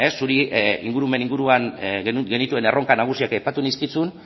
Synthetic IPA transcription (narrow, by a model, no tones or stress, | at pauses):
e̞sːuɾiḭŋɡuɾume̞niŋɡuɾuanɡe̞nit̪ue̞ne̞ro̞ŋkanaɣ̞usiakejpat̪uniskit͡sun